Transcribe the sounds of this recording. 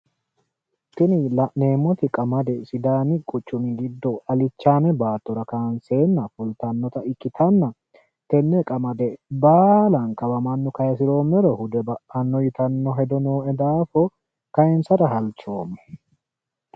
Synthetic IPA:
t̪ːɪnɪlɐʔne̞ːmːɔt̪ɪkʼɐmɐd̪ɛsɪd̪aːnɪkʼʊt͡ʃːʊmɪɡɪd̪ːɔɐlɪt͡ʃːaːnɛbaːt̪ːɔɾɐkaːnseːnːɐfʊlt̪ɐnːɔt̪ɐɪkʼːɪt̪ʰɐnːɐ | t̪ɛnːɛkʼɐmɐd̪ɛbaːlɐnkɐbɐmɐnːʊkɐjɛs̬ɪɾo̞ːmːɛɾɔhʊd̪ɛbɐʔɐnːɔjɪt̪ɐnːɔɦɛd̪ɔnoːɛd̪aːfɔ | kɐjɛnsɐɾɐɦɐlt͡ʃo̞ːmːɛ

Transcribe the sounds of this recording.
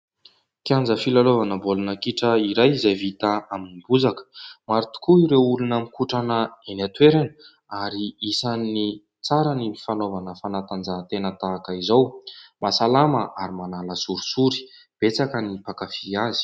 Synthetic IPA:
kiand͡zəfilalovanəbolunəkiʈ͡ʂəiɾajizajvit̪aaminibuzakə̥maɾit̪i̥kuiɾewulunamikuʈ͡ʂanəenat̪weɾanə | aɾiisanːi | t͡saɾanifanovanəfanat̪and͡zat̪enət̪aːkəizawmasalaməʔaɾimanaləsuɾi̥suɾi̥ | b̥et͡sakənipakafiazi̥

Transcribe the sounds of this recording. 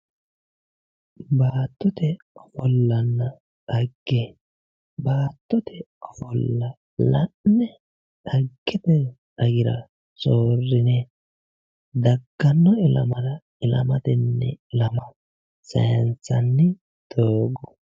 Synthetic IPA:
baːt̪ːɔt̪ɛ | ɔfɔlːɐnːɐ | ɐɡːe | baːt̪ːɔt̪ʰɛ | ɔfɔlːɐ | lɐnɛ | ɐɡːɛt̪ɛ | ɐɡɪɾɐ | soːrːɪnɛ | d̪ɐɡːɐnːɔɪlɐ̰mɐɾɐ | ɪlɐ̰mɐt̪ɪnːɛ̰ɪlɐmɐ | sɐjɐnt͡sːɐnːɪ | d̪̥oːɡɔ̥

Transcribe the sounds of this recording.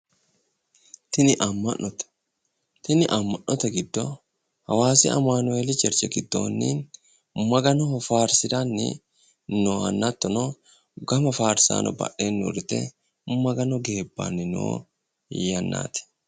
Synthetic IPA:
t̪ɪnɪʔɐmːɐnɔt̪ | t̪ɪnɪʔɐmːɐnʔɔt̪ɐɡɪd̪ːɔ | hɐwaːsɪʔɐ̰maːnʊeːlɪt͡ʃɛɾt͡ʃɛɡɪd̪ːo̰ːnːḭːn | mɐɡɐnɔfaːɾsɪd̪anːɪ̰ | noɐnːɐt̪ːɔnɔ | ɡɐmɐfaːɾsa̰ːnʔɔ̰bɐ̰ʔeːnːʊ̰ɾt̪ːɛ̰ | mɐɡɐnɔɡe̞ːbːa̰nːɪno̰ː | jɐnːa̰ːt̪ɪ̥

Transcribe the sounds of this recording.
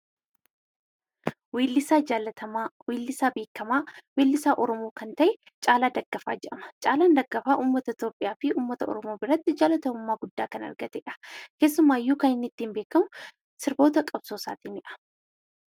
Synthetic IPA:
wiːlːɪsaː | wiːlːɪsaːbeːkːɐmaːwiːlːɪsaːʔɔɾɔmoːkɐnt̪ɐʔɛ | t͡ʃʼaːlaːd̪ɐɡ̥ːɐfa̰ːd͡ʒɛᶑɐmɐ̥t͡ʃʼaːlaːnd̪ɐɡːɐfaːʔuːmːɐt̪ɐɪt̪joːpʼɪjaːfɪuːmːɐt̪ɐɔ̰ɾɔmo̞ːbɪɾɐt̪ːɪd͡ʒaːlɐt̪ɐmʊmːaːɡʊd̪ːaːkɐnɐ̰ɾɡɐt̪ɛᶑɐ̥ke̞ːs̬ːʊmːaːɪjːuːkɐnɪnːɪt̪ːiːmbe̞ːkːɐmʊ | sɪɾbo̞ːt̪ɐkʼɐbso̞ːsa̰ːt̪iːnɪʔɐ̥

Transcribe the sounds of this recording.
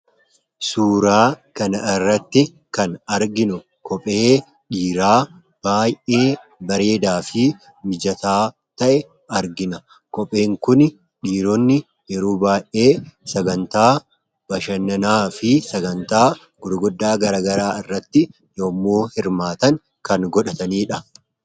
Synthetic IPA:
suːɾaːkɐnɐɪrːɐt̪ːɪ | kɐnɐɾɡɪnʊ | kɔpʼe̞ː | ᶑiːɾaː | b̥aːjʔe̞ː | bɐɾe̞ːd̪aːfɪ | mɪd͡ʒɐt̪aː | t̪ɐʔɛ | ɐɾɡɪnɐ | kɔpʼe̞ːŋkʊn | ᶑiːɾɔnːɪ | jɛɾuːbaːjʔe̞ːsɐɡɐnt̪aː | bɐʃɐnːɐnaːfɪsɐɡɐnt̪aː | ɡ̥ʊd̪ʊɡʊd̪ːaːɡɐɾaːɡɐɾaːɪrːɐt̪ːɪ | joːmːoːhɪɾmaːt̪ɐŋ | kɐnɡɔᶑɐt̪ɐniːᶑɐ

